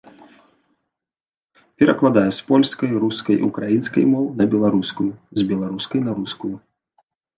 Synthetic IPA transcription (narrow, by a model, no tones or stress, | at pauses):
pʲɛɾɐklˠad̪ajɛspɔlʲskɐjɾuskɐjḭukɾajinskɐ̰jmɔwnɐbʲɛlˠaɾuskujuzʲbʲɛlˠaɾuskɐjnɐɾuskuju